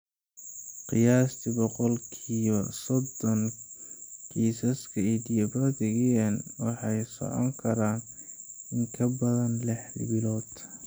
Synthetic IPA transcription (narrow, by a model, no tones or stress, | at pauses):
qɪjaːst̪ʰɪbɔqɔlkʰiːβɐsɔd̪ɔn | kʰiːsɐskʰɐɛd̪ɪjɐbɔðɪɣɛɐnwɑħɑjsɔ̰ʕɔ̰ŋkʰɐɾaːn | ɪŋkʰɐbɐðɐnlɛħlbɪlɔːd̪